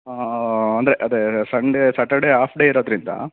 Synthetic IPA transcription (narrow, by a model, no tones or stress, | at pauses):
ɐnd̪ɐɾeʔɐd̪esɐɳɖesɐʈɐɽeɦaːpʰɖeiɾoːd̪ɾind̪ɐ̰